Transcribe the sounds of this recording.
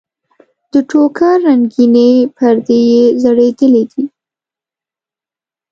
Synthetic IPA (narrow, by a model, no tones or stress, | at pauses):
d̪̥əʈokaɾaŋɡinepʰəɾd̪ejezəɽed̪əlid̪i